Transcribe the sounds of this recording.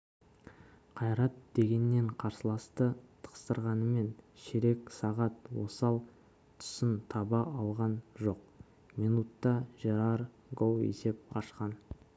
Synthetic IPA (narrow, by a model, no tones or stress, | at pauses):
qʰɑjɾɑt̪d̪̥e̞ɡʲe̞nːe̞ɴqʰɑɾsəlˠɑst̪ət̪ʰə̥qə̥st̪əɾʁɑnəme̞nʃeɾe̞ksɑʁɑt̪wo̞sɑlˠ | t̪ʰʊ̥sɪnt̪ʰɑbɑʔɑlˠʁɑnʒo̞q̚ | mijnut̪ːɑʒeɾɑɾ | ɡowḛse̞p̚qɑ̰ʃqɑn